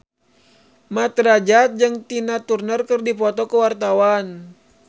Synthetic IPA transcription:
mat̪ɾad͡ʒat̪̚d͡ʒɨŋt̪inat̪urnərkərdipɔt̪ɔkəwart̪awan

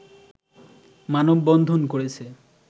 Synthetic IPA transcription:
manobːɔnd̪ʱonkoɾet͡ɕʰe

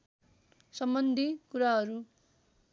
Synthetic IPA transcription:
sʌmbʌnd̪ʱikuɾaɦʌɾu

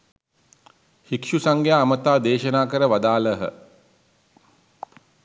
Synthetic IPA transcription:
hikʃusaŋɡjaːmət̪aːd̪eːʃənaːkəɾəʋad̪aːləɦə̰

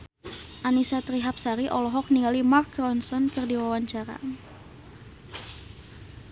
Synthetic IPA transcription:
ʔanisat̪ɾiɦap̚saɾiʔɔlɔɦɔk̚niŋɡalimark̚ɾɔnsɔnkɨrdiwawaɲt͡ʃaɾa̰

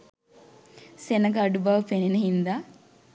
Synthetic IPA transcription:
senəɡaɖubaʋəpenenəɦind̪aː

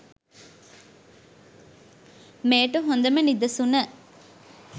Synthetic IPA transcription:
meːʈuɦond̪ɐmenid̪ɐsunə

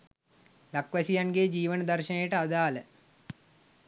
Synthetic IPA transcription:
lakʋasijanɡed͡ʒiːʋənəd̪ɐrʃənejəʈəad̪aːlə

